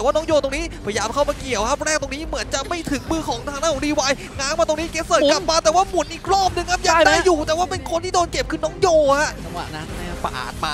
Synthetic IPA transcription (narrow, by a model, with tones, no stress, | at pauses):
ɛː˨˩waː˥˩nɔː˦˥ŋjoː˧t̪o˧ŋniː˦˥pʰjaː˧mkʰa˥˩wmaː˧ki˨˩əwkʰa˦˥p̚ɾɛː˥˩k̚t̪o˧ŋniː˦˥mɯ˩˦ənt͡ɕa˨˩ʔma˥˩jt̪ʰɯ˩˦ŋmɯː˧kʰɔː˩˦ŋt̪ʰaː˧na˦˥˩ɾiː˧waː˧j | ŋaː˨˥ŋma˧t̪o˧ŋni˦˥keː˧˥səː˨˩kla˨˩p̚maː˧t̪ɛː˨˩waː˥˩mu˨˩˦nʔiː˨˩k̚ɾɔː˥˩p̚nɯ˧ŋkʰa˦˥p̚jaː˨˧˩daː˥˩jːuː˨˩t̪ɛː˨˩waː˥˩pe˧nkʰo˧nt̪iː˥doː˧nke˨˩p̚kʰɯ˧nːɔː˦˥ŋjoː˧ha˦˥ʔt͡ɕa˧mwa̰˨˩na˨˦˥na˧˩a˧˩pa̰˧ʔa̰ː˨˩t̪ma̰ː˧